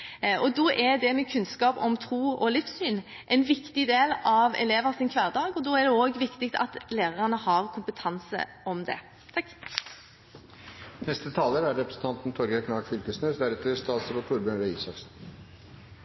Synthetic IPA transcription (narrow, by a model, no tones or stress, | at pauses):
ʔɔd̪oːʔɛɾd̪ɛmɛkʰʉnskɑːpɔ̰mt̪ʰɾuːɔlɪfsyːn | ʔɛɪnʋɪkt̪ɪd̪eːlɑʋɛ̰leːʋəʁsɪnkʰʋæːʁd̪ɑːɡɔd̪oːæɖ̪ɛoːɡʋɪkt̪ɪkt̪ɑ̰t̪leːʁəʁɑnəhɑʁkʰʊmpət̪ʰɑnsə̰ʔɔmd̪ɛ̰ | t̪ʰɑkː | nɛst̪ət̪ʰɑːləɾæɾɛpɾəsən̩t̪ɑnt̪n̩t̪ʰɔɾɡəkʰnɑɡfʏlkəsnøːsd̪æɾɛt̪ʰəst̪ɑːt̪səbɑt̪ʰuːɾbənɾɛḭːsɑksn̩